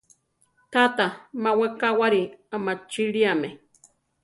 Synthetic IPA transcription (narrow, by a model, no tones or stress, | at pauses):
t̪at̪amawekawaɾiamat͡ʃiɾiame